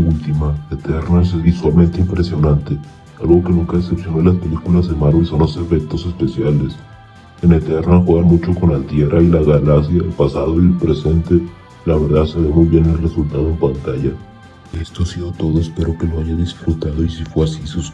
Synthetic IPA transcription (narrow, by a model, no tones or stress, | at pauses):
ult̪imaet̪eɾnaes̬ezβiswalment̪eimpɾesjo̞nant̪e̞ | alɣo̞ke̞nũŋkaðese̞psjonolaspe̞likulazðemaɾβelsonose̞fe̞k̚t̪o̞se̞spe̞sjale̞s | ene̞t̪eɾnaxwe̞ɣanmut͡ʃo̞ko̞nant̪je̞rʔailaɣalaks̬jaelpasaðoipɾe̞se̞nt̪e | laβe̞ɾðaðsalomujβje̞nelre̞sult̪aðo̞e̞mpant̪aʝa | e̞st̪o̞asiðo̞t̪o̞ðo̞espe̞ɾo̞ke̞lo̞aʝaðisfɾut̪aðo̞isifwe̞asisus